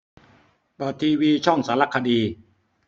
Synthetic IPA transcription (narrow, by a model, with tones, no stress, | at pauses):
bɔː˨˩t̪ʰːiː˧wiː˧t͡ɕʰɔ˥˩ŋsaː˩˦˥la˦˥kʰa˧diː˧